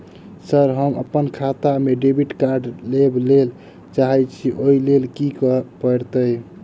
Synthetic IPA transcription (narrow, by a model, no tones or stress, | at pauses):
səɾɦəmə̰pːənkʰat̪ameɖebiʈkaɾɖleblel | t͡ʃaɦɛt͡ʃʰiʔoilelkikəpəɾt̪əj